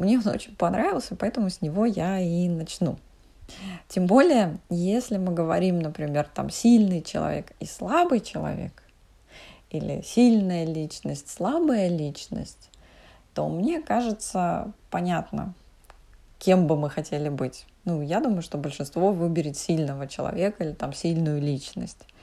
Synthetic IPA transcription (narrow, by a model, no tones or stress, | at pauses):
mnʲe̞ono̰t͡ɕɪnʲpɐnɾʔavʲɪlˠsʲəpɐɛt̪əmʊsʲnʲɪvo̞jainɐt͡ɕnṵ | tʲembo̞lʲɪjəjesʲlʲɪmɨɡəvɐɾʲimnəpɾʲɪmʲe̞rt̪a̰msʲilʲnɨjt͡ɕɪlˠɐ̰vʲe̞̰kḭslˠabɨjt͡ɕɪlˠɐ̰vʲḛk | ilʲɪ̰sʲilʲnəjəlʲit͡ɕnəsʲtʲslˠabəjəlʲit͡ɕnə̰sʲtʲ | t̪o̞̰mnʲe̞kaʐɨt̪səpɐnʲat̪nə̰ | kʲʰe̞mbɨmɨxɐtʲelʲɪbɨtʲnujad̪uməjʊʂt̪o̞bəlʲʂɨnst̪vo̞vɨbʲɪɾʲɪt̪sʲilʲnəvət͡ɕɪlˠɐ̰vʲe̞kəilʲɪt̪amsʲilʲnʊjʊlʲit͡ɕnə̰sʲtʲ